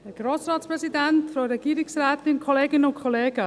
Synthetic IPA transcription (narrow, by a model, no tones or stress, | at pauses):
hɛɡ̥ɾoːsrɑːtspɾɛsidɛntfoɾɛɡ̥iːɾɪksrɛːtɪnkʰoleːɡɪnəʊnkʰoleːɡ̥ə